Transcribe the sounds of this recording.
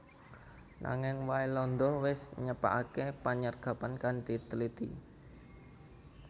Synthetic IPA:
nʔa̰ŋɪŋwailɔnd̪ɔhwɪsɲəpa̰ʔakepaɲərɡ̥ä̤pankandit̪əlit̪ḭ

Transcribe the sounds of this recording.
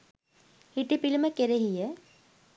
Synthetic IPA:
hiʈipiliməkeɾeɦijə

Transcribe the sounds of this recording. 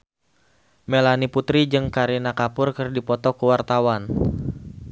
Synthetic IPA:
melaniput̪ɾid͡ʒɨŋkaɾinakapʊrkɨrdipɔt̪ɔkuwart̪awan

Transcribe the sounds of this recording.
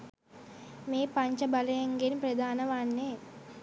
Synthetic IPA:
meːpɐɲt͡ʃɐbɐlɐjɐŋɡenipɾɐd̪ʱaːnɐʋaːnːeː

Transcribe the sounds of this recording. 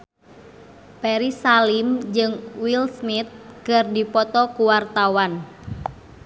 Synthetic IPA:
pɛɾisalimd͡ʒɨŋwilsmit̪̚kɨrdipɔt̪ɔkuwart̪awan

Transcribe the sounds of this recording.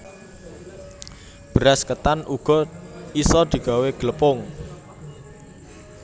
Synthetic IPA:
b̥əɾaskət̪anʔuɡ̥ɔ̤isɔd̪̥i̤ɡ̥a̤weɡ̥ələpʊŋ

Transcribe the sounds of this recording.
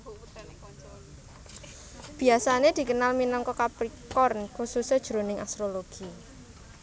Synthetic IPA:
b̥i̤asaned̪̥i̤kənalminɔŋkɔkapɾikɔrnkususəd̥ʒ̥ɾonɪŋʔast̪ɾoloɡ̥i

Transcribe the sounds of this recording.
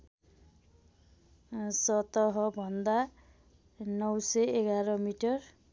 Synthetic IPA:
sʌt̪ʌɦʌbʱʌnd̪a | nʌwsʌeɡaɾʌmiʈʌr

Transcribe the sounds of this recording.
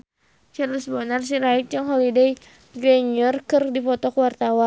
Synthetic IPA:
t͡ʃarləsbɔnars̬iɾait̪̚d͡ʒaŋɦɔlidej | ɡɾɛɲərkɨrdipɔt̪ɔkəwart̪awa

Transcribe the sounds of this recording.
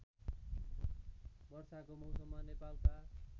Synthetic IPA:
bʌrsakomʌwsʌmːanepalka

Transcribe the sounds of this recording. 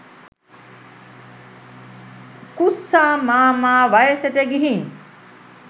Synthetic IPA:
kusːaːmaːmaːʋajəseʈeɡiɦin

